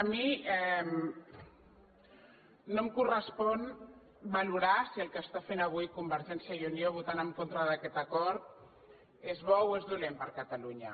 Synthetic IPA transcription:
əmiɛm | nomkurəspɔn | baluɾasiəlˠkəst̪afenəβ̞ujkumbəɾʒɛnsjajunioβ̞ut̪anəmkont̪ɾəðəkɛt̪əkɔɾt̪̚ | ezβɔwezðulempəɾkət̪aluɲə̰

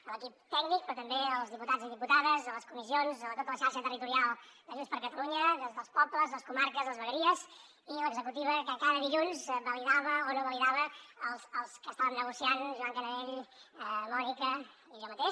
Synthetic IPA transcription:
ələkip̚t̪ɛɡnik̚pɾɔt̪əmbeəlˠzðiput̪ad͡ziðiput̪aðəzələskumizionzoət̪ot̪ələʃaɾʃət̪ərit̪uɾialˠd̪əʒunspəɾkət̪əluɲəðəzðəlˠspɔbləzðləskumaɾkəzðləzβəɣəɾiəz | iləɡzəkut̪iβəkəkaðəðiʎunzβəliðaβəonoβəliðaβəəlˠzəlˠskəst̪aβənnəɣusianʒuaŋkənəeʎəmɔʒikə | iʒɔmət̪eʃ

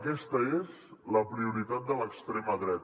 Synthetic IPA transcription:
kɛst̪əez | ləpɾiuɾit̪at̪̚d̪ələkst̪ɾeməðɾɛt̪

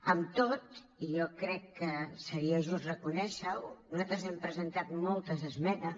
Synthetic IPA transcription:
əmt̪ot̪ | ijɔkɾɛkːəsəɾiəʒust̪rəkunɛʃəwnuzat̪ɾəzɛmpɾəzənt̪at̪mɔlˠt̪əzəzmɛnə

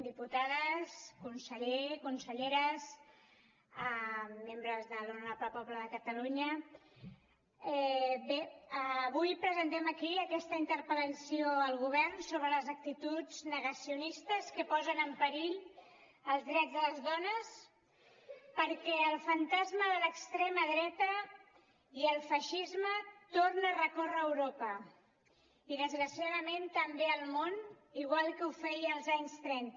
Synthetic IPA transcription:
d̪iput̪aðəskunsəʎekunsəʎeɾəs | əmːembɾəzðəloəpəpɔβləðəkət̪əluɲə | ɛbeəβujpɾəzənt̪ɛməkiəkɛst̪əint̪əɾpələsioəlˠɣ̞uβ̞ɛrnsoβɾələzək̚t̪it̪ud͡znəɣəsiunist̪əskəpɔzənəmpəɾiʎ | əlˠzðɾɛdd͡zðələzðɔnəs | pəɾkɛəlˠfənt̪azməðələkst̪ɾeməðɾɛt̪ə | iəlˠfəʃizmət̪ornərəkorəːwɾopə | iðəzɣɾəsiaðəment̪əmbeəlˠmon | iɣ̞walˠkəufɛjəlˠzaɲst̪ɾɛnt̪

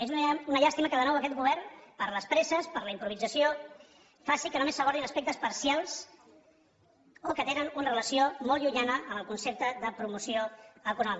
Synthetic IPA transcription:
ezuunəʎast̪iməkəðənɔwəkɛt̪̚ɡuβ̞ɛɾnpəɾləspɾɛsəspəɾləimpɾuβid͡zəsio | fasikənumesːəɣaɾðinəspek̚t̪əspəɾsialˠs | okət̪enənunərələsiomɔlˠʎuɲanəʔəmbəlˠkunsep̚t̪əðəpɾumusioəkunɔmi

